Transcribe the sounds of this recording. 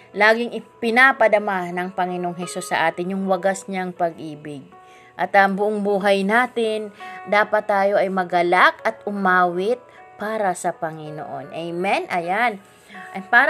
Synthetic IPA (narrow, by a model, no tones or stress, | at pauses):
laːɡɪŋʔɪpɪnapɐd̪ɐmanɐŋpɐŋɪnooŋɦɛsusːɐʔaːt̪ɪnjʊŋwɐɡasɲaŋpɐɡ̚ʔiːbɪɡ̚ | ʔɐt̪ʔɐmbʊʔoŋbuːɦɐjnaːt̪ɪnd̪aːpɐt̪ːaːjo̞ʔɐjmɐɡɐlakɐt̪̚ʊmaːwɪt̪̚ | paːɾɐsɐpɐŋɪno̰ʔo̰nʔɛjmɛnʔɐjan | ʔɐpaːɾ